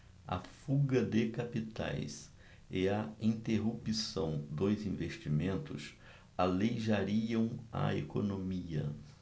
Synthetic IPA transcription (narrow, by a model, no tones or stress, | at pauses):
ɐ̰fuɡɐd̪ɪkapit̪a̰js | ɪɐĩnt̪eɦupisɐ̃w̃d̪ojzĩveʃt͡ʃimẽnt̪ʊ̰s | alejʒaɾiɐ̃w̃ɐ̰ḛkonomiɐ̰